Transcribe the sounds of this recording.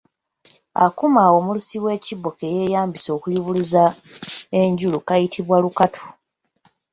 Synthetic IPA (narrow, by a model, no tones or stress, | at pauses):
a̰kumaːwo̞mulusiwe̞ːcibːo̞ke̞je̞jaːmbiso̞ːkuliβuliza | e̞ɲɟulukajitʰiβwalukatʰo̥